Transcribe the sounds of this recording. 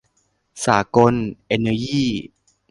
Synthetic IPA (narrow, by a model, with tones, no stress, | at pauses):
saː˩˦ko˧nʔeː˧na˧jiː˥˩